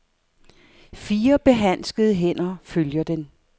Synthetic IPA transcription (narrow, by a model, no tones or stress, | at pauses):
fiːɐb̥e̝ɦæn̰sɡ̥əð̞ˠəɦen̰ɐføljɐd̥en